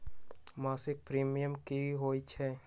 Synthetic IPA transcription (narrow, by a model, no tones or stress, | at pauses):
maːsɪk̚pɾiːmijəmkiɦoːit͡ʃʰɛː